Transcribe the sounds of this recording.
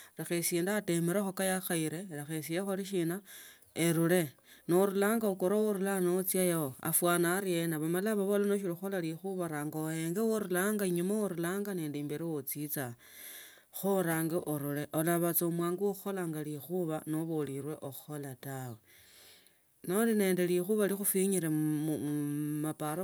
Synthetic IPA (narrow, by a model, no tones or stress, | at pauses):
rexesiːndaːte̞meɾexokajaxaiɾe̞ɾexesijexoliʃ̬ina | eɾule̞ | noɾulaːŋɡaokoɾowoɾulanot͡sjajaoa̰fwanaːɾienaβamalaβaβolanoʃ̬iɾuxolalixuβaɾaːŋɡaojeŋɡewoɾulaŋɡaiɲumaoɾulaːŋɡaneːndiːmbeɾiwot͡sit͡sa | xoɾaːŋɡeʔoɾule̞ʔolaβat͡saomwaːŋɡooxo̞laŋɡalixuβano̞βoliɾwe̞ʔoxo̞latawe | noline̞ːnde̞lixuβalixufiɲiɾe | mapaɾ